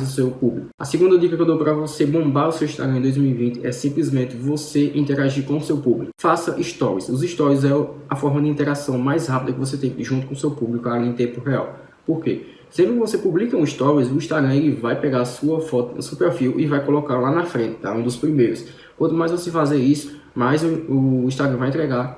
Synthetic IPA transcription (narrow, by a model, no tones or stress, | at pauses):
zʊsewpublikʊɐ̰siɡũnd̪ɐd̪ikɐkewd̪owpɾɐvosebõmbaɾʊsewiʃt̪a̰ɡɾɐ̃ẽd̪ojzmiwivĩnt̪ɪʔɛsĩplizmẽnt̪ɪvoseʔĩt̪ɛɾaʒiɾkõʊsewpublikʊfasɐʔiʃt̪ɔɾwisʊziʃt̪ɔɾizɛɐfɔɾmɐd̪ɪĩnt̪ɛɾasɐ̃w̃majshapid̪ɐkɪvos̬et̪ẽj̃ʒũnt̪ʊkõʊsewpublikʊanẽj̃t̪ẽpʊɦɛa̰w | poɾke | sẽbɾɪkɪvosepublikɐũiʃt̪ɔwizʊĩʃt̪aɡɾɐ̃elɪvajpɛɡasuɐfɔt̪sewpeɾfiwʔɪvajkolɔkaɾlanɐfɾẽt̪ɪ̥t̪a̰ũd̪ʊspɾimejɾʊs | kwɐ̃nt̪ʊmajzvosefazeɾisʊ̥ | majzʊĩʃt̪aɡɾɐ̃vajẽt̪ɾɛɡaɾ